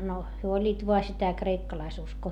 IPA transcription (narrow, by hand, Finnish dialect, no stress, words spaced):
no hyø olʲːiːt ʋoɑ sitæ kreikːɑlɑisuskoː